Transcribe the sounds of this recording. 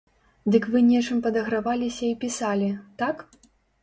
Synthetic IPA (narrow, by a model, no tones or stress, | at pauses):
d̪ɨkvɨnʲɛt͡ʂɨmpɐd̪ɐɣɾavalʲisʲɐipʲisalʲit̪ak